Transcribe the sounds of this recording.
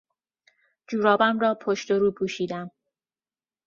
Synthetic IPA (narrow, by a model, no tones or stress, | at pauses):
d͡ʒuːɾɒːbæmrɒːpʰoʃt̪oɾuːpʰuːʃiːd̪æm